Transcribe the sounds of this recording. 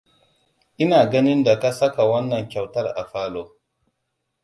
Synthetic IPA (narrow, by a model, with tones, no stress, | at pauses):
ʔɪ˦naː˨ɡɐ˦nɪ˦nda˨ka˦sɐ˦ka˨wɐ˦nːɐ˨ŋkʲa˨wtɐ˦ɾa̰˨faː˦loː˦